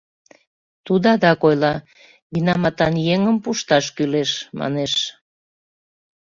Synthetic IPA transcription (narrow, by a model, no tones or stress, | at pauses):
t̪ud̪ɑd̪ɑkojlɑ | ɡinɑmɑt̪ɑnjeŋəmpuʃt̪ɑʃkyleʃmʔɑ̰neʃ